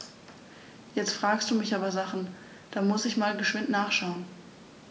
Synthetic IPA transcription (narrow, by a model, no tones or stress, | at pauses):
jɛt͡stfʁ̥aːkstd̥uːmɪçʔaːbɐzaχn̩ | d̥aːmʊsɪçmaːlɡəʃv̥ɪntnaːχʃaʊən